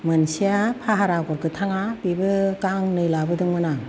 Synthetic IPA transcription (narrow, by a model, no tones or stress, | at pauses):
mɯnsijapʰaɦaɾaɡɔɾɡɯtʰaŋabibɯkaŋnɯjlabɯdɯŋmɯna